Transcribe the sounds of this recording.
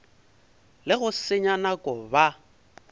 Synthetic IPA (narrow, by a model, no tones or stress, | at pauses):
lɪɣʊsɪɲanakʼɔba